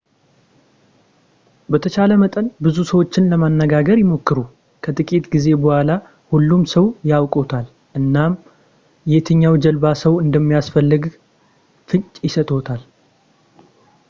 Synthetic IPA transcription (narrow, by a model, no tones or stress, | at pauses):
bət̪ʰət͡ʃaləmət̪ʼənbɨzusəwo̞t͡ʃːɪnləmanːəɡaɡəɾjɪmo̞kːɨɾu | kʰət̪ʼɨkʼit̪ɡize̞bohʷala | hulːumsəwjawkʼo̞t̪ʰal | ʔɨnːam | jet̪ʰɨɲːawd͡ʒəlbasəwɨnd̪əmːijasfəlːɨɡ | fɨɲt͡ʃʼjɪsət̪ʼo̞t̪ʰal